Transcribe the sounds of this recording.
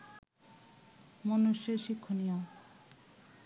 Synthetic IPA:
monuʃeɾʃikʰːonija

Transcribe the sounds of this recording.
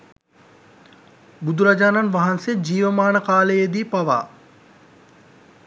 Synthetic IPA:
bud̪ʱuɾad͡ʒaːnanʋaɦansed͡ʒiːʋəmaːnəkaːləjed̪iːpaʋa̰ː

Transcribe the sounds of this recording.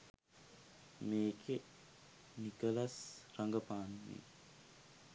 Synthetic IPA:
meːkʰe | nikəlasɾaŋɡəpaːnmḛː

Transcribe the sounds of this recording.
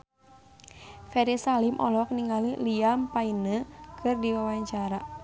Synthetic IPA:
fɛɾisalimʔɔ̰lɔk̚niŋaliliampainəkʰɨrdiwawaɲt͡ʃaɾa

